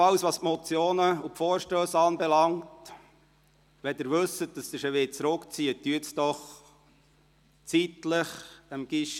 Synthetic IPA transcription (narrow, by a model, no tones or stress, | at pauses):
ɑlsʋɑːspmɔt͡sjoːnəupfɔːɾʃtøːsɑːnbɛlɑŋt | ʋɛd̪ɪɾʋɵsət̚d̥ɑsd̪ɪɾʃəʋɪt͡sɾʊkt͡siət̪ːyətsd̥̪ɔχ | t͡sitləχəmɡ̥ɪʃ